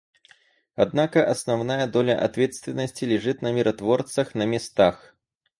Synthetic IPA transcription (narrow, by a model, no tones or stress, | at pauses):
ad̪nakɐʔɐsnawnajɐd̪ɔlʲɐʔa̰t̪vʲɛt̪st̪vʲɪnːɐsʲt͡sʲilʲɛʐɨt̪nɐmʲiɾʔɐt̪vɔrt̪sɐxnɐmʲɛst̪ax